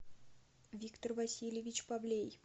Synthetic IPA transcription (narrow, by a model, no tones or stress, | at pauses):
vʲikt̪ərvɐsʲilʲjɪvʲɪt͡ɕpablʲej